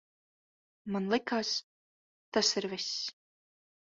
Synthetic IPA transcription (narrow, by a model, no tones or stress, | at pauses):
manlˠɨkaːs | t̪asɪɾvʲɪsʲ